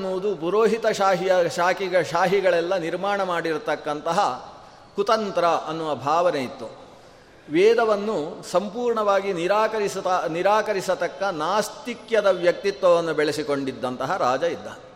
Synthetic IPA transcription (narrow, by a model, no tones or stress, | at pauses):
nːuʋd̪upuɾoːɦit̪ɐʃaːɦijɐʃaːkiɡɐʃaːɦiɡɐɭɛlːɐniɾmaːɳɐmaːɽiɾt̪ɐkːɐnt̪ɐɦɐ | kut̪ɐnt̪ɾɐʔɐnːuʋɐbʱaːʋɐnejit̪ːu | ʋɛːd̪ɐʋɐnːusɐmpuːɾɳɐʋaːɡiniɾaːkɐɾisɐniɾaːkɐɾisɐt̪ɐkːɐnaːst̪ikjɐd̪ɐʋjɐk̚t̪it̪ʋɐʋɐnːubɛɭesiko̞ɳɖid̪ːɐnt̪ɐɦɐɾaːd͡ʒɐid̪ːɐ